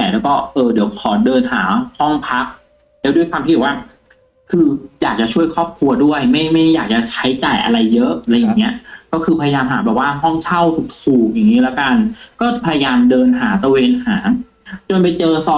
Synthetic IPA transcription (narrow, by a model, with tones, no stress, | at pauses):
ɛː˨˩lɛː˦˥wkɔː˥˩ʔɤː˧di˩˦wpʰɔː˩˦dɤː˧nɦaː˩˦hɔ˥˩ŋpʰa˦˥k̚ | lɛ˦˥du˥˩jkwaː˧t̪ʰːwaː˥˩ | kʰɯː˧jaː˨˩k̚t͡ɕa˨˩t͡ɕʰu˥˩əjkʰɔː˥˩p̚kʰlu˧ɐdu˥˩əjma˥˩jma˥˩jːaː˨˩k̚t͡ɕa˨˩t͡ɕʰa˦˥jt͡ɕaː˨˩jʔa̰˧ɾa˧jːɤ˦˥ʔɾa˧jːa˨˩ŋːi˦˥ɐkɔː˥˩kʰɯː˧pʰa˧ja˧jaː˧mɦaː˩˦bɛː˨˩p̚waː˥˩ɦɔ˥˩ŋt͡ɕʰa˥˩wt̪ʰu˨˩k̚t̪ʰuː˨˩k̚ja˨˩ŋːiː˦˥lɛ˦˥ka˧nkɔː˥˩pʰa˧ja˧jaː˧mdɤː˧nɦaː˩˦t̪a˧weː˧nhaː˩˦ŋ | t͡ɕo˧npa˧jt͡ɕɤː˧sɔː˧˩